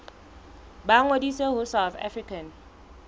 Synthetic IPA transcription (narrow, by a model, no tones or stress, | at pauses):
ɓaŋwediseɦusawθa̰frikʰan